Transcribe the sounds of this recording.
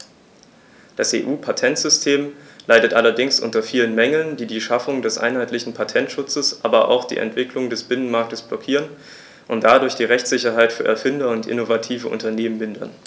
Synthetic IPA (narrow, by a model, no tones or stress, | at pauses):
d̥asʔḛːʔuːpʰatʰɛntz̥ʏstʰeːmlaɪdətʔalɐdɪŋsʔʊ̰ntɐfiːlənmɛŋl̩ndiːdiːʃafʊŋdɛsʔa̰ɪnɦaɪtlɪçn̩pʰatʰɛntʃʊt͡səsʔa̰ːbɐʔa̰ʊxd̥ḭːʔɛ̰ntv̥ɪklʊŋdɛsb̥ɪnənmaɐk̚təsb̥lɔkʰiːʁən | ʔʊntd̥adʊɐçd̥iːʁɛçt͡sz̥ɪçɐɦaɪtfyːɐʔɛɐfɪndɐʊntʔɪ̰novatʰiːvəʔʊ̰ntɐneːmənmɪndɐ̰n